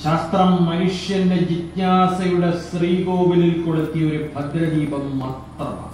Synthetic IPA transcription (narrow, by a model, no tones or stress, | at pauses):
ɕaːst̪rɐmːɐnuʂjɐɾinded͡ʑit̪ɲaːsɐjuɽesriːɡoːʋililkoɽut̪ːijɐoɾubʱɐd̪ɾɐdiːbɐmːɐrt̪ːɐm̰